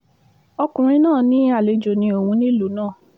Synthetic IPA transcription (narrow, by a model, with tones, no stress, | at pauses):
ɔ˧kũ˨ɾ̃ĩ˧nãː˦˨nĩ˨˦a˦˨le˨˧d͡ʒo˨nĩ˧o˨wũ˧nĩ˦lu˨˦nãː˦˨